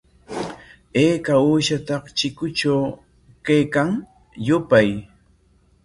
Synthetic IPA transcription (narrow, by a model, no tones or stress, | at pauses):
eːkauːʃat̪ɑqt͡ʃɪkʊt͡ʃaw | kajkaŋ | jʊpaj